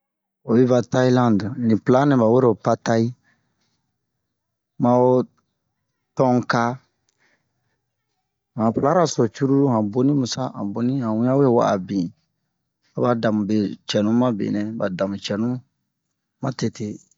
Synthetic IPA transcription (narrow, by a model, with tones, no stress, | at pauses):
o˨bi˦va˨ta˦i˦lã˦ndnĩ˨pla˦nĩ˨ba˨we˦ɾpa˦ta˦i˦ | mã˨o˦ | tɔ̃˦ŋka˦ | hã˨pla˦ɾa˨so˨t͡ʃu˦ɾu˦ɾu˦ã˨bo˦nĩ˦mũ˨sa̰˦ã̰˨bo˦nĩ˦ã˨wũ˦jã˦we˦wa̰˦˨ʔa̰˨bĩ˨ | a˨ba˨da˨mũ˨be˨t͡ʃɛ˨nũ˦ma˦bḛ˨nɛ̃˦ba˨da˨mũ˨t͡ʃɛ˨nũ˦ | ma˦te˦te˦